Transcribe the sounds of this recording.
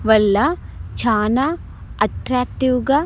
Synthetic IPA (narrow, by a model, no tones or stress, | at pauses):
ʋɐlːɐt͡ʃʰaːna | ɐʈɾaːk̚ʈ̪iwɡa